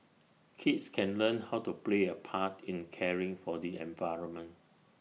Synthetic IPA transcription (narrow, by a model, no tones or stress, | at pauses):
kʰitskʰɛ̃nlə̃nhawtupleəpʰatʰĩnkʰɛɹɪ̃ŋfɔdiɛ̰̃nvaɪɹɔ̃nmə̃nt